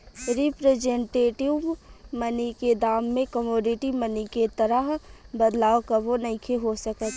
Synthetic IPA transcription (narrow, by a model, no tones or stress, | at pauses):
ɾipɾed͡ʒẽɳʈeːʈɪʋməniked̪aːmːẽkəmoːɖɪʈiməniket̪ɐɾəɦbəd̪laːokɐbonɐikʰeɦosəkət̪